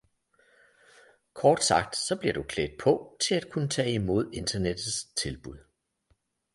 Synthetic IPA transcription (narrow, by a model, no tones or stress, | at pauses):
kʰɒːd̥sɑ̈ɡ̥̚d̥sɒ̽b̥liɐd̥ukʰlḛːd̥ˠpʰɒ̽t͡sʰe̝læd̥̚kʰunət͡sʰɛ̰ːimo̝ð̞̰ˠe̝nd̥ɐned̥ð̩ˠst͡sʰe̝lb̥uð̞̰ˠ